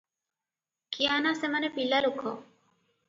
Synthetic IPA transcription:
kianasemənepilːalukʰo

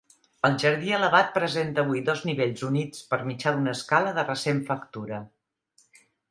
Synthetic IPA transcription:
əlˠʒəɾðiələβat̪̚pɾəzent̪əːβujðɔzniβeʎzunit͡spəɾmit͡ʃaðunəːskaləðərəseɱfəkt̪uɾə

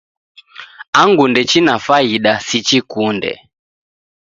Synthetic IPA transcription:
aŋɡundɛt͡ʃinafaiɗasit͡ʃikundɛ̰

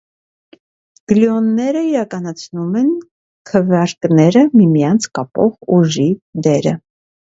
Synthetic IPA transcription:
ɡ̥ljɔnːɛɾəiɾɑkɑnɑt͡sʰnumɛn | kʰəvjɑɾknɛɾəmimjɑnt͡sʰkɑpɔ̰ʁuʒid̪ɛɾə

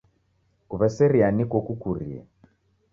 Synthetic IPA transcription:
kuβɛsɛɾianikɔkukuɾḭɛ̰

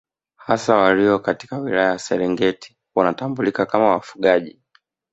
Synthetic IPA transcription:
hasawaliɔkati̥kawilajajasɛɾɛŋɡɛti̥ | wanatambulikakamawafuɠaʄi

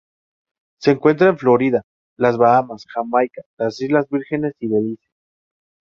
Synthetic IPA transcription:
se̞ːŋkwe̞nt̪ɾaeɱflo̞ɾiða | lazβaamasxamajkalasizlazβiɾxe̞ne̞siβelises

